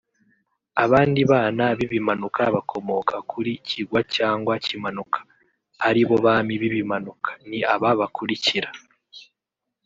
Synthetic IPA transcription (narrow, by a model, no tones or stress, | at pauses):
aβaːndiβaːnaβiβimanukʰaβakʰo̞mo̞kakʰuɾiciɡwacaːŋɡwacimanukʰḁ | haɾiβo̞βamiβiβimanukḁniaβaβakuɾiciɾa